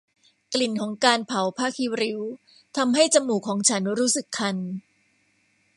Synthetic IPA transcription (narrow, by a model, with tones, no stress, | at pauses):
kli˨˩nkʰɔː˩˦ŋkaː˧npʰa˩˦wpʰaː˥˩kʰiː˧ɾi˦˥w | t̪ʰa˧mɦa˥˩jt͡ɕa˧mːuː˨˩kʰːɔː˩˦ŋt͡ɕʰa˦˥nɾuː˦˥sɯ˨˩kʰːa˧n